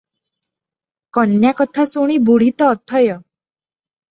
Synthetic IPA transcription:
kʌnjakət̪ʰasoɽ̃ibʱuɽ̤it̪ɔːt̪ʰɔjɔ

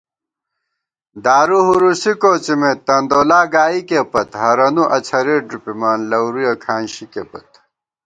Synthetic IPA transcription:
d̪aːɾuɦuɾusikoːt͡simet̪ːɐnd̪oːlaːɡaːikepɐt̪ɦɐɾɐnuʔɐt͡ɕʰɐɾeːɖɾupimaːnlɐwɾujɐkʰaːnɕikepɐt̪̚

